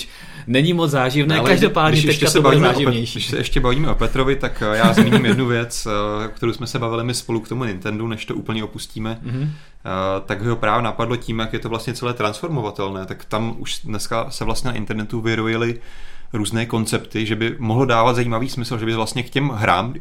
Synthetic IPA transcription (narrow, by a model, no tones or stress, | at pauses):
nɛɲɪmot͡szaːʒɪvnɛːalɛkaʒdopaːddɪɲɛʃɛʃcɛatsɛbaviːzɛaːʒɪɲɛjʃdɪʃsɛʔɛʃcɛbaviːmɛʔopɛt̪ɾovɪt̪akjaːzmiːɲimjɛdnuvjɛt͡skt̪ɛɾowsmɛsɛbavɪlɪmɪspo̞lukt̪o̞munɪnt̪ɛndunɛʃt̪ouːpl̩ɲɛopusciːmɛ | t̪aɡbɪɦopɾaːvonapadlo̞ciːmjakjɛt̪ovlast̚ɲɛt͡sɛlɛːt̪ɾansfo̞ɾmo̞vat̪ɛlnɛːt̪akt̪amʔuʃdnɛskasɛvlast̪ɲɛnaʔɪ̰nt̪ɛɾnɛt̪uvɪɾojɪlɪɾuːznɛːko̞nt͡sɛpt̪ɪʒɛbɪmoɦlodaːvat̪zaiːmaviːsmɪsl̩ʒɛbɪvlast̪ɲɛkcɛmɦɾa̰ːm